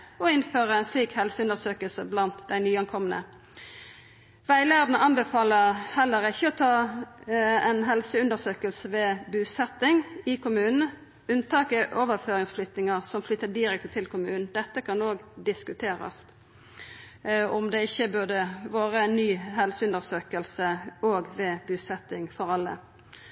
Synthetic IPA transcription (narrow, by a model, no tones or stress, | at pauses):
ɔɪnføːʁəænsliːkhɛlsəʉnd̪əsøːkəlsəblɑnt̪d̪æɪnyːɑŋkʰɔmənə̰ | ʋæɪlæːʁd̪nəʔɑnbəfɑːləhɛlːəɾɪçːəɔt̪ʰɑː | ɛnɦɛlsəʉnd̪əsøːkəlsəʋɛːbʉːsɛt̪ːɪŋɪkʰʊmʉːnn̩ | ʉnt̪ʰɑːkəʔoːʋəɾføːɾɪŋsflʏt̪nɪŋəʁsɔmflʏt̪ːəd̪ɪɾɛk̚t̪t̪ʰɪlkʰʊmʉːnn̩d̪ɛt̪ːəkʰɑnoːɡd̪ɪskʉt̪ʰeːɾɑ̰s | ɔmd̪ɛɪçːəbød̪əʋoːʁəɛnːyːɦɛlsəʉnd̪əʁsøːkəlsəoːɡʋɛːbʉːsɛt̪ːɪŋfɔʁɑlːə̰